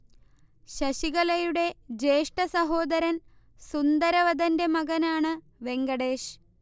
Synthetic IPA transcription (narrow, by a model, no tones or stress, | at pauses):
ɕɐɕiɣɐlɐjuɽe̞d͡ʑeːʂʈɐsɐɦo̞ːd̪ɐɾɐn | sund̪ɐɾɐʋɐd̪ɐnde̞mɐɣɐnaːɳɨ | ʋe̞ŋɡɐɽeːʂ